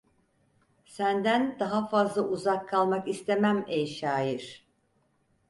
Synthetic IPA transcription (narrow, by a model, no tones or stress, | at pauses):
sænd̪ænd̪aɦafazlˠaʔuzakʰːalˠmakist̪ʰe̞mæmejʃaːjiɾ̥